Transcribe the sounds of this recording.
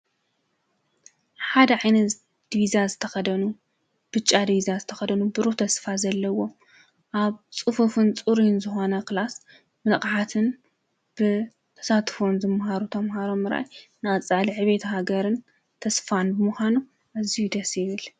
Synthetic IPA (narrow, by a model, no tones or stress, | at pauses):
ħad̪ɐʕajnɐt | d̪̥βizazɨt̪ʰɐxɐd̪ɐnu | b̥ɨt͡ʃʼːad̪βiziazɨt̪ʰɐxɐd̪ɐnubɨɾuht̪ʰɐsfazɐlːɐwo̞m | ʔaβt͡sʼɨfufɨnt͡sʼuɾinzɨxo̞nɐkɨlas | mɨχʼʕat̪ʰɨn | b̥ɨ | t̪ʰɐ̥sat̪fo̞nzɨmhaɾut̪ʰɐmhaɾomːɨɾa̰jnɨɐt͡sʼaliʕɨβet̪ʰɐɦaɡɐɾɨn | t̪ʰɐsfanbɨmɨxʷanu | ʔazijud̪ɐsɪβɨl